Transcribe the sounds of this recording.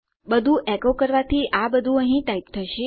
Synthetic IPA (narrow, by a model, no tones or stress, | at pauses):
bəd̪ʱũʔɛkokəɾʋat̪ʰiʔabəd̪ʱũəɦĩʈaip̚t̪ʰəʃe